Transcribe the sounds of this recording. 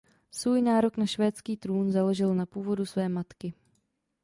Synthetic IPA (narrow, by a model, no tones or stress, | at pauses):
svuːjnaːɾo̞knaʃvɛːt͡skiːt̪ɾuːnzaloʒɪlnapuːvo̞dusvɛːmat̪kɪ